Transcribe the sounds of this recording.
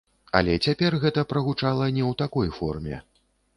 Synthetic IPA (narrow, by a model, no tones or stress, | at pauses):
a̰lʲɛt͡sʲapʲɛrɣɛt̪ɐpɾɐɣut͡ʂalˠɐnʲɛwt̪akɔjfɔ̰rmʲɛ̰